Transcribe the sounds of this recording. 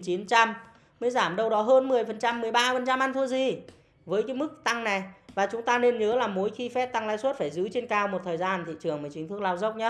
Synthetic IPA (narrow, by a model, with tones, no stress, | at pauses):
t͡ɕi˨˦t͡ɕa˧m | məː˨˦jzaː˧˩mɗə˧wɗɔ˨˦ɦəː˧nmɨ˨˩əjfə˨˩nt͡ɕa˧mːɨ˨˩əjɓaː˧fə˨˩nt͡ɕa˧mʔa˧nt̪ʰu˧əzi˨˩ | vəː˨˦jkaː˨˦mɨ˦˥k̚t̪a˧ŋna˨˩jvaː˨˩t͡ɕʊ˨˦ŋ͡mt̪aː˧ne˧nɲəː˨˦laː˨˩mo˨˦jxi˧fɛ˦˥p̚t̪a˧ŋlaː˧˥jswu˦˥t̚faː˧˩jzɨ˨˦t͡ɕe˧nkaː˧˩wmo˨˩t̚t̪ʰəː˨˩jzaː˧nt̪ʰḭ˧˨t͡ɕɨ˨˩əŋməː˨˩t͡ɕï˦ŋt̪ɨ˦˥k̚la˧wzə˦˥wk͡p̚ɲə˦˥t̚